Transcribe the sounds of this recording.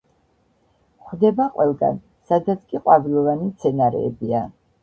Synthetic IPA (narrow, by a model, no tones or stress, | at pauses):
χd̪ɛbaqʼwɛlˠɡa̰n | sad̪at̪sʰkʼiqʼwavilˠɔvanimt̪sʰɛnaɾɛ̰ːbia